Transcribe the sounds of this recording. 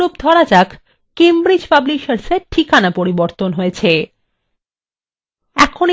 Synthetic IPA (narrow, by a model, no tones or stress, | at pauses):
ob̚d̪ʱɔɾad͡ʑakʰ | kembɾid͡ʑpablikʃaɾseɾʈʰikanapoɾiboɾt̪onɦoet͡ɕʰe | ɛkʰon